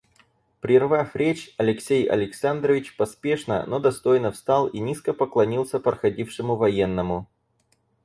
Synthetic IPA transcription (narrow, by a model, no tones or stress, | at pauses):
pɾʲɪrvafɾʲet͡ɕɐlʲɪksʲejɐ̰lʲɪksand̪ɾəvʲɪt͡ɕpɐspʲe̞ʂnə̰nod̪ɐst̪o̞jnəfst̪ɑlˠinʲiskəpəklˠɐnʲilˠsʲəpɾəxɐdʲifʂɨmʊvɐje̞nːəmʊ